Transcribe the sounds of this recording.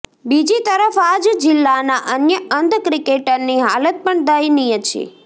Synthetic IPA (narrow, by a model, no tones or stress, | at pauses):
bid͡ʒit̪əɾəfad͡ʒd͡ʒɪlːanaʔənjəənd̪kɾikeʈəɾniɦalət̪̚pəɳd̪əjnijət͡ʃʰḛ